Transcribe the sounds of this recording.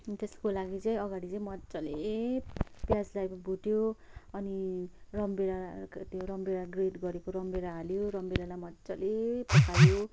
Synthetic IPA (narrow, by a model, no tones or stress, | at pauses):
t̪eskolaɡit͡sʌ̃j̃ʌɡaɽit͡sʌ̃ĩmʌt͡sʌle | pjad͡zlajbʱuʈjo | ʌnirʌmbeɾat̪joɾʌmbeɽaɡreɖɡʌɾekoɾʌmbeɾaːljoɾʌmbeɾalajmʌt͡sʌlepʌkʰaɾjo